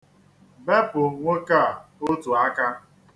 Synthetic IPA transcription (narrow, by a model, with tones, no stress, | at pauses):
be˦pʊ˨ŋʷe˦ka˦˨o˦tu˨a˦ka˦